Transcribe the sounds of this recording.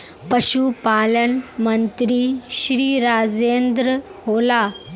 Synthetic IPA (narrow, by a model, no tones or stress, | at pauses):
pəɕupalənmənt̪ɾiːɕɾiːɾad͡zend̪ɾəɦola